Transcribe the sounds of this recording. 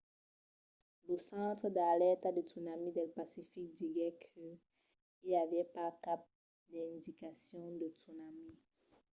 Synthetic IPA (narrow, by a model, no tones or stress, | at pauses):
ləsɑ̃t̪χəd̪alɛt̪ad̪ətunamid̪ɛlpasifik̚d̪iɡɛkʰə | ilavɛpakap̚ | d̪ɛɛ̃d̪ikasjɔ̃d̪ətunami